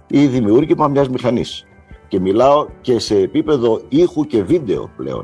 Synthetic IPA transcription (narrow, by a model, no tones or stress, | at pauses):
iðimiuɾʝimɐmɲɐzmixɐnḭs | ce̞milɐo̞ce̞se̞ːpipe̞ðo̞ixuce̞vid̪e̞o̞̰ple̞̰o̞̰